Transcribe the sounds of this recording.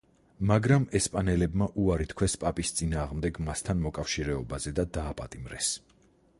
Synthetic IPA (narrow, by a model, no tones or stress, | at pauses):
maɡɾamɛspʼanɛlɛbmaʔuaɾit̪ʰkʰwɛspʼapʼist̪sʼinaːʁmd̪ɛɡmast̪ʰanmɔkʼafʃiɾɛɔbazɛd̪ad̪aːpʼat̪ʼimɾɛs